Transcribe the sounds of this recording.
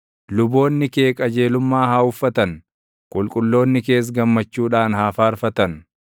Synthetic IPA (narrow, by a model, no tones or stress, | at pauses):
lʊbo̞ːnːɪke̞ːkʼɐd͡ʒe̞ːlʊmːaːhaːʊfːɐt̪ɐn | kʼʊlkʼʊlːo̞ːnːɪke̞ːs̬ɡɐmːɐt͡ʃːuːᶑaːnhaːfaːɾfɐt̪ɐn